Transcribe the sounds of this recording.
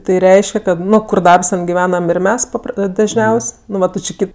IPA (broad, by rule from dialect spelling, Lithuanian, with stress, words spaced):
ˈtɐɪ ˈrʲɛɪʃʲkʲɛ kɐt ˈnʊ ˈkʊr ˈdɐrps ˈtʲɛn ɡʲɪˈʋʲæːnɐm ɪr ˈmʲɛs pɐˈpr dɐʒʲˈnʲɛʊsʲ nʊ ˈʋɐ ˈtʊ t͡ʃʲɪ ˈkɐɪp